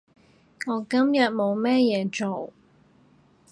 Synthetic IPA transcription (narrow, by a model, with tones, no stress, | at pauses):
ŋɔː˨˧kɐ˥mjɐ˨t̚mo˨˧wmɛː˥jɛː˨˧t͡ʃo˨w